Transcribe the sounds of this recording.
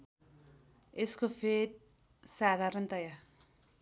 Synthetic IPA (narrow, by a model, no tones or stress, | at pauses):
eskopʰet̪̚ | sad̪ʱaɾʌnt̪ʌja